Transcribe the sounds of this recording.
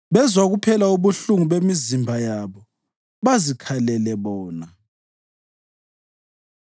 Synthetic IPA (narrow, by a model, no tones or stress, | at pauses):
βɛzwaɣupʰɛlauβuɬuŋuβemizimbʱajaβɔ | βazikʰalɛlɛβɔːna